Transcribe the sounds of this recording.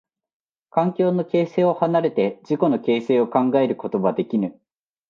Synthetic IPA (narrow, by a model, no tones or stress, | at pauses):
kãŋkʲo̞ːno̞ke̞ːse̞ːo̞hanaɾe̞t̪e̞d͡ʑiko̞no̞ke̞ːse̞ːo̞kãŋɡae̞ɾɯ̟ko̞t̪o̞bad̪e̞kʲinɯ̟